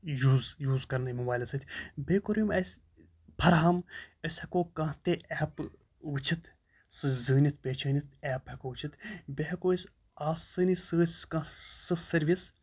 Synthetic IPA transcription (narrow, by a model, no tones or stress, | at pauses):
juːzjuːzkɐɾnimubaːjlɐsɨt̪ʰʲbeːkoɾjimɐsʲ | pʰɐɾɦaməsʲhɐkoːkɐ̃ɦt̪eʔɛːp | ʋɨt͡ʃʰit̪ʰ | sɨzɨːnit̪̚ʰpʲeːt͡ʃʰɐːnʲit̪ʰɛːphɐkoːʋɨt͡ʃʰit̪ʰbeɦɐkoːisʲ | aːsɨːnisɨːskɐ̃sɨsɐɾʋis